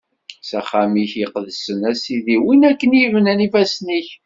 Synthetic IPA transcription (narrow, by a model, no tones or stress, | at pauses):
sæχæmiçəqðəsənæsiðiwinækːənjəvnænifæsniç